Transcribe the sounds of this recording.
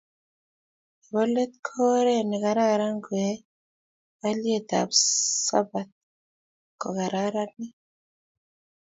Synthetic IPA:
e˨βo˦le˦t̪kʰo˦ɾeniɣa˨ɾa˨ɾa˦ŋɡwe | a˦lje˦t̪a̰˨βusa̰˦bat̪ | ko˨ɣa˨ɾaɾani˦

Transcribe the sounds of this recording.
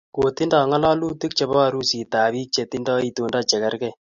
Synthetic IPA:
ko˨ti˦ndɔ˨ŋɔ˦lɔ˦lu˦ti˦k̚t͡ʃe˨˧bɔ˦a˧ɾu˦si˨taː˨βi˦k̚t͡ʃe˨ti˦ndɔ˦i˦to˨nda˦t͡ʃɛ˨kɛ˦ɾkɛ˦˨

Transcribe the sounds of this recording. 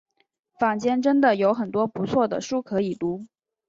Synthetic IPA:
fa˨˩ŋt͡ɕjɛ˥nʈ͡ʂə˥nd̪ə˨jo˧˥ʊxə˨˩nt̪wɔ˥pu˧˥t͡sʰwɔ˥˩d̪ə̰˩ʂu˥kʰɤ˧˥i˨˩t̪u˧˥

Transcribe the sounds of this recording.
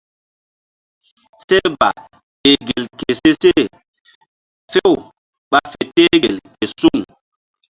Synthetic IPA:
se˦ba̰˨ | e˨ɡe˨lke˨se˦se˦˨ | fe˦˨w | ɓa˦fe˨te˦ɡe˨lke˨su˦ŋ

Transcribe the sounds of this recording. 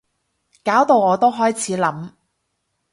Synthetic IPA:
kaː˨˥wt̪o˨˧wŋɔː˨˧t̪o˥wɦɔː˥jt͡sʰiː˨˥lɐ˨˥m

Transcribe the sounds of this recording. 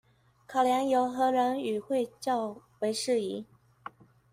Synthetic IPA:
kʰɑ˨˩ʊljɑ˧˥ŋjo˧˥ʊxɤ˧˥ɻə˧˥ny˨˩xwe˥˧ɪt͡ɕjɑ˥˩ʊwe˧˥ɪʂɻ̩˥˩i˧˥

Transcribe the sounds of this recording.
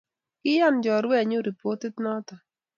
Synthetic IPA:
kɪ˦ja˦nd͡ʒɔ˨ɾwɛ˦˨ɲʊ˦ɾi˨po˦tɪ˦tnɔ˦tɔ˨

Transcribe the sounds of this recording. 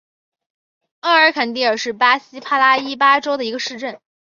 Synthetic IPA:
a˥˩ə˞˧˥kʰa˨˩nt̪̬i˥˩ə˞˨˩ʂɻ̩˥˩pa˥ɕi˥pʰa˥la˥i˥p̬a˥ʈ͡ʂo˥ʊd̪ə˨i˧˥ɡə˧ʂɻ̩˥˧ʈ͡ʂə˥˩n

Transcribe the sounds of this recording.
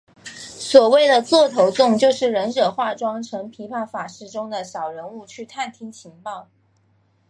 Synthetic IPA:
swɔ˨˩we˥˩ɪd̪ə˩t͡swɔ˥˩t̪ʰo˧˥ʊt͡sʊ˥˧ŋt͡ɕjo˥˧ʊʂɻ̩˥˩ɻə˧˥nʂɤ˨˩xwa˥˩ʈ͡ʂwɑ˥ŋʈ͡ʂʰɤ˧˥ŋpʰi˧˥pʰa˥˩fa˨˩ʂɻ̩˥˩ʈ͡ʂʊ˥ŋd̪ə˨ɕjɑ˨˩ʊɻə˧˥nu˥˧t͡ɕʰy˥˧t̪ʰa˥˩nt̪ʰi˥ŋt͡ɕʰi˧˥ŋpɑ˥˩ʊ

